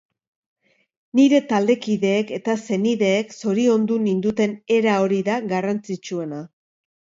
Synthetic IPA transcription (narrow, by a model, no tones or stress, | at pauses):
niɾe̞t̪ald̪e̞kiðe̞ːke̞t̪ase̞niðe̞ːkso̞ɾio̞nd̪unind̪ut̪e̞ne̞ɾao̞ɾiðaɣarant͡sit͡ʃue̞na